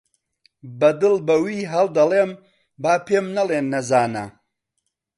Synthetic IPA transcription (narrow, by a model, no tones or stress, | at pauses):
bɐd̪ɨlbɐwiːɦɐlˠd̪ɐleːm | baːpʰeːmnɐleːnːɐzaːnɐ̰